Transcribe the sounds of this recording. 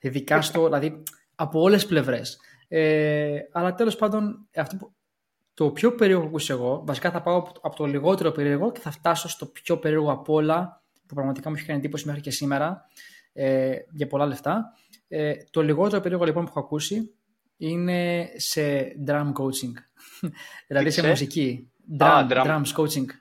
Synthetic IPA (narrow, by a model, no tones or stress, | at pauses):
iðikɐst̪o̞ilɐði | ɐpoole̞sple̞vɾe̞s | eɐlɐt̪e̞lo̞spɐnd̪o̞nɐft̪opu | t̪opço̞pe̞ɾioɣpɐkuseɣo̞vɐsikɐθɐpɐoɐpot̪oliɣo̞t̪e̞ɾo̞pe̞ɾioɣo̞ce̞θɐft̪ɐso̞st̪o̞pço̞pe̞ɾio̞ɣoɐpo̞lɐ | pupɾɐɣmɐt̪i̥kɐmueçi̥kɐnid̪ipo̞sime̞xɾice̞sime̞ɾɐ | eʝɐpo̞lɐle̞ft̪ɐ | et̪o̞liɣo̞t̪e̞ɾo̞pe̞io̞ɣolipo̞npuexoɐkusi | ine̞se̞d̪ɾɐmkowt͡siŋɡ | ðilɐðisemus̬ici | d̪ɾɐd̪ɾɐmskot͡siŋɡ